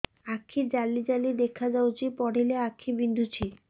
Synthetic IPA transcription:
akʰːid͡ʑalːid͡ʑalid̪ekʰːad͡ʑaot͡ɕʰipɔɽileakʰːibind̪ʱut͡ɕʰi

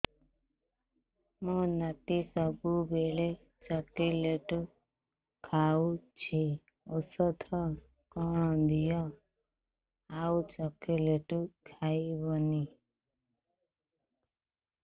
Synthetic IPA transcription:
mõnəʈ̪isəbubeɭe | t͡ʃɔkileʈu | kʰaut͡ʃʰe | osɔt̪ʰɔ | kɔɽ̃ɔ̃d̪ijɔ | aut͡ʃɔkileʈukʰaibɔni

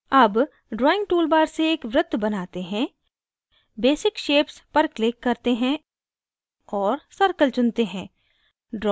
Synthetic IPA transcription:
ɐb | ɖɾɔːɪ̃ŋɡ̚ʈuːlbaːɾseeːkʋɾʊt̪bɐnaːt̪eɦɛ̃ | beːsɪkʃeːpspɐɾklɪːkːɐɾt̪eɦɛ̃ | ɔːɾsɐɾkəlt͡ʃʊ̃nt̪eɦɛ̃ː | ɖɾɔ

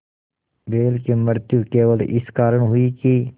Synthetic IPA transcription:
beːlkeməɾt̪jukeːʋəlʔɪskaːɾəɳ̃ɦʊiːki

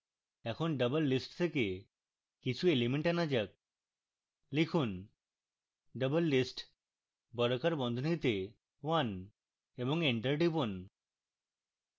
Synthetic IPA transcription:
ɛkʰonɖəbəlːisʈt̪ʰeke | kit͡ɕʰuelimeɳʈanad͡ʑak̚ | likʰun | ɖəbəlːisʈ | bɔɾokaɾbɔnd̪ʱonit̪e | wan | eboŋeɳʈəɾɖibon

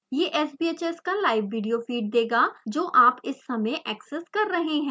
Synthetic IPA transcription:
jeːʔɛːsbiːeːt͡ʃeskalaːɪʋːiːɖijofiːʈ̚d̪eːɡad͡ʒoːʔaːpɪsːɐmeʔɛːkseskɐɾːɐɦeɦɛ̃ː

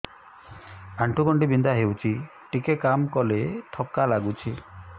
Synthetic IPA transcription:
aɳʈʰuɡɔɳɖibind̪aɦewt͡ʃʰi | ʈikekamkɔleʈʰɔkːalaɡut͡ʃʰi

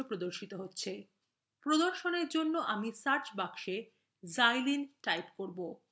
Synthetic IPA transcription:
opɾod̪oɾʃit̪oɦotːɕʰe | pɾod̪oɾʃoneɾd͡ʑonːoʔamisaɾt͡ɕbakʃe | zajlinʈajpkoɾbo

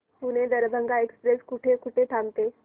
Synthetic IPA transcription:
puned̪əɾbʱəŋɡaekspɾeskuʈʰekuʈʰeʈʰamt̪e

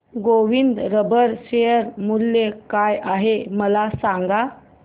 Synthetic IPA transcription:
ɡoʋind̪ɾəbəɾɕejəɾmulːekajʔaɦeməlasaŋɡa

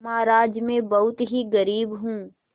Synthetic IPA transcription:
maːɾaːd͡ʒmẽbɐɦʊt̪ɦiɡɐɾiːbɦũː

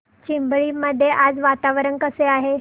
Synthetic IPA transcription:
t͡ɕimbɭiːməd̪ʱːjeʔad͡zʋat̪aʋɾənkəseaɦe

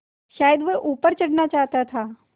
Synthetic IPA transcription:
ʃaːjəd̪ʋəʔuːpəɾt͡ʃɐɽnat͡ʃaːɦt̪at̪ʰaː

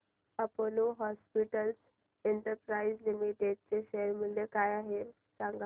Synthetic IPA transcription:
apoluɦɔspiʈəls | eɳʈəɾpɾaid͡zlimiʈeɖ̚t͡seɕeɾmilekajaɦe | sãŋɡ

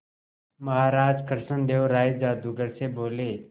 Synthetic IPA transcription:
mɐɦaːɾaːd͡ʒkəɾʃənd̪eːʋɾaːid͡ʒaːd̪uɡəɾseboːleː

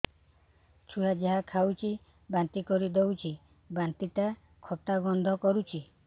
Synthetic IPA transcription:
t͡ʃʰujad͡ʒaɦakʰawt͡ʃʰi | bant̪ikɔɾid̪ewt͡ʃʰi | bant̪iʈa | kʰɔt̪abɔnd̪ʱɔkɔɾut͡ʃʰi

